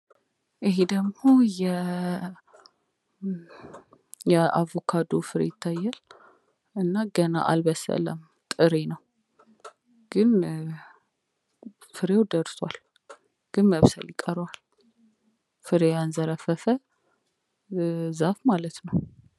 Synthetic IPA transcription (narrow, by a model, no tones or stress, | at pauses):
ʔɨɦed̪əɡmo̞jɛ | jɛavokʰad̪ofɨɾḛt̪ʰːajːal | ɨnːaɡəna̰ʔa̰lbəsə̰lə̰m | t̪ʼɨɾenəw | ɡ̥ɨn | fɨɾewd̪əɾswal | ɡ̥ɨnməβsə̰ljɪkʼəɾwal | fɨɾejanzəɾəfəfə | zafmalət̪nəw